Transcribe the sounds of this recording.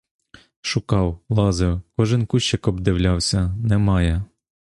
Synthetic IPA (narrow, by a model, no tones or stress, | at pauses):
ʃʊkɑwlˠɑzɪwkɔʒɪnkuʃt͡ʃːɪkɔbd̪ɪwlʲɑwsʲɐnɛmɑjɛ